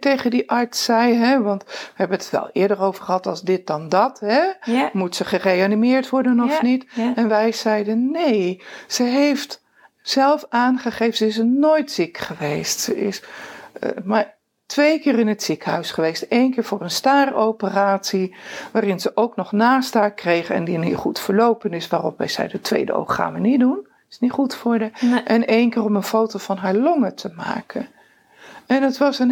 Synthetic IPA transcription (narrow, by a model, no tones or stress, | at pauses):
tejχəndiʔɑɹtsɛjɦɛʋɑntʋəɦɛbənəttʋɛ̰lˠɪ̰ːɹdərowv̥əɹχəɦɑtɑlˠzdɪt̚dɑndɑtɦɛmutsəχərejanimɪːɹtʋɔɹdənɔfnitɛnʋɛjz̥ɛjdənːejsəɦejft | sɛlˠfaːnχəχeːvənsəɪsənoːjtsikχəʋejstsəɪ̰s | ma | tʋejkɪːrɪnətsikɦœ̰ɥsχəʋejstejnkɪːɹvʊːrənstaːrowpəraːtsiʋaːrɪnzəʔowknɔχnaːstaːkrejχɛ̰ndinḭχutfəɹlowpənɪsʋaːrɔ̰pʋɛ̰jz̥ɛ̰jdətʋḛjdə̰o̰χχa̰ːnʋənit̚dun | ɪ̥sniχutfʊːɹdəʔɛnejnkɪːrɔmənfowtovɑnɦaːɹlɔŋətʰəma̰ːkʰən | ɛnətʋɑsən